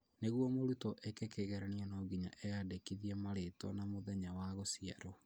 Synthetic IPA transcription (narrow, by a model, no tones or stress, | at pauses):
neɣwɔmoɾutɔʔɛkekeɣɛɾaniɔnɔɡiɲa̰ʔɛjadekiðiɛmaɾetwɔ̰namoðɛɲawaɣosia̰ɾo